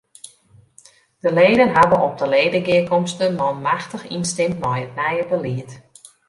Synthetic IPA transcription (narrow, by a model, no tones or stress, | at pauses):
d̥əleːdənɦadənɔp̚dəleːdəɡɪəkɔmstənmɔmaxtəxinstɪmtmɔjət̚nɛjəbəlɪət